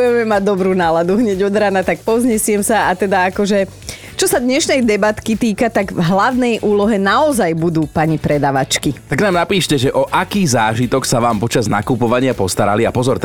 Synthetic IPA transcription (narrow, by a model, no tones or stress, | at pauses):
jɛmɛmaɟ̚d̪ɔbɾuːnaːlad̪uɦɲɛɟɔd̪ɾaːnat̪ak̚pɔzɲɛsɪɛmsaat̪ɛd̪aakɔʒɛ | t͡ʃɔsad̪ɲɛʃnɛjd̪ɛbat̪kit̪iːkat̪aɡvɦlaʊnɛjʔuːlɔɦɛnaɔzajbud̪uːpaɲipɾɛd̪aːʋat͡ʃkit̪aɡnaːmnapiːʃcɛʒɛʔɔʔakiːzaːʒit̪ɔksaʋaːmpɔt͡ʃazna̰kupɔʋaɲɪapɔst̪aɾa̰liapɔzɔɾt̪